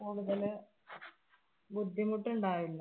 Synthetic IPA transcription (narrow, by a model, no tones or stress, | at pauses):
kuːɽuðɐlɨ | bud̪ʱːimuʈːuɳɖaːjilːɐ